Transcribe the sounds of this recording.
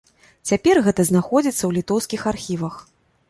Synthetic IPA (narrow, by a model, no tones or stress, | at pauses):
t͡sʲapʲɛrɣɛt̪ɐznaxɔd͡zʲit̪sːɐwlʲit̪ɔwskʲixarxʲivɐx